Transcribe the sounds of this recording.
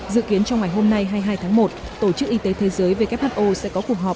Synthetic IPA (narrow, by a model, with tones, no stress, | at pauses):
zɨ̰˧˨ki˨˦ənt͡ɕɔ˧wŋa˨˩jɦo˧mna˧jɦaː˧jɦaː˧jt̪ʰaː˨˦ŋmo˨˩t̚ | t̪o˧˩t͡ɕɨ˦˥k̚ʔi˧t̪e˨˦t̪ʰe˨˦zəː˨˦jve˨˩ka˦˥p̚aː˧˩t̚ʔo˧sɛ̰˧˥kɔ˨˦ku˨˩ək̚ɦɔː˨˩p̚